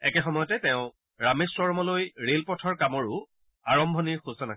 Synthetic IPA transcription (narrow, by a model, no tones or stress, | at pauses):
ɛkɛxɔmɔjɔtɛtɛʊ̃ | ɹameswɔɹmɔlojɹelpɔtʰɔɹkamɔɹʊ | aɹɔmbʱɔniɹxusɔna